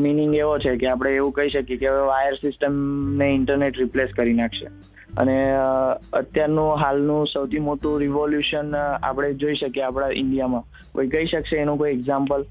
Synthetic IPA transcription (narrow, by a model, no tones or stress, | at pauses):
miniŋɡeʋot͡ʃʰekeapɽ̃eːʋũkəiʃəkjekeəʋeʋajəɾsɪsʈəmneɪɳʈəɾneʈɾipleskəɾinakʰʃḛ | ə̰ne | ə̰t̪jaɾnũɦalnũsəwt̪ʰimoʈũɾiʋoljuʃəna̰pɽ̃ed͡ʒoiʃəkjeapɽ̃aʔɪ̰ɳɖijamã | ko̰ikəiʃəkʃeːnũkoieɡzãmpəl